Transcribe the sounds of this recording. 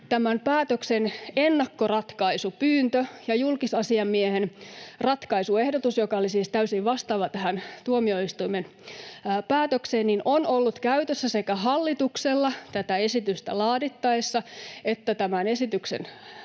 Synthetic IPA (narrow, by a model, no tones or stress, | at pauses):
t̪æmæmpæːt̪øksenenːɑkːorɑt̪kɑisupyːnt̪øjɑjulkisɑsiɑmmiehenrɑt̪kɑisuehdot̪usjokɑolisiːst̪æysiʋʋɑst̪ɑʋɑt̪æhænt̪uomioist̪uimenː | pæːt̪økseːnninʔonolːut̪kæyt̪øsːæsekæɦɑlːit̪ukselːɑt̪æt̪æesit̪yst̪æ̰lɑːdit̪ːɑisːɑet̪ːæt̪æmænesit̪yksḛn